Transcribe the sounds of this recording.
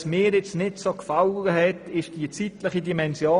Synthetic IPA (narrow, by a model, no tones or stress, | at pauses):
smɪːɾjɪt͡stnɪtsokfalɡəɦɛtɪʃd̥iːt͡sitləχidimɛnsjoː